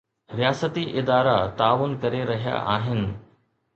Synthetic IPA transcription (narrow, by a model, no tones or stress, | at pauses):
ɾijaːsət̪iʔɪd̪aːɾat̪aːʋʊnkɐɾeɾɐɦija̰ʔaːɦɪnɪ̆